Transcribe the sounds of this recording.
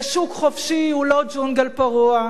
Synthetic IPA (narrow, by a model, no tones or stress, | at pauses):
ʃukχofʃiulod͡ʒunɡalpaʁua